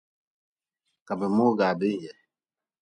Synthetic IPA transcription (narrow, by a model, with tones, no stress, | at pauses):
ka˨bɛ˨mo˦ɡa˨be˦jɛ˨